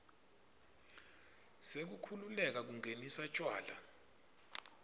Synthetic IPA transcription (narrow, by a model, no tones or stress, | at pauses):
sek̬ukʰululɛk̬ak̬uŋʱenisat͡ʃʼwaːla̰